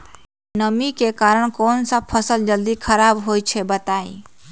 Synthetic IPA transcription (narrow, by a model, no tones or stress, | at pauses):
nəmikekaːɾəɽ̃kɔːnsapʰəsəld͡ʒəld̪ikʰəɾaːbɦoːit͡ʃʰebət̪aːḭ̃